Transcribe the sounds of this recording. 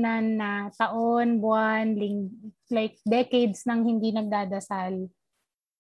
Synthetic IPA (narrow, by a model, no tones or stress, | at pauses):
nanːɐt̪ɐʔonbwanliŋlajk̚d̪ɛkejd̪snɐŋhɪnd̪inɐɡ̚d̪aːd̪ɐsal